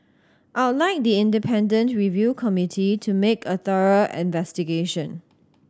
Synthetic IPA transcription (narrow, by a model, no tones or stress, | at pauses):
ʔaʊtlaɪk̚diɪ̃ndipʰɛ̃ndə̃ntɹivjukʰɔmitʰitʰumekʰəθəɹəʔɪ̰̃nvɛstiɡeʃə̃n